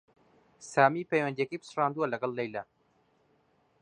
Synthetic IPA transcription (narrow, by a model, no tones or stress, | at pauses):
saːmipejwɐnd̪ijɛkəjbɨ̥sɨrɑːnd̪uwɐlɐɡɐlˠːejlɐ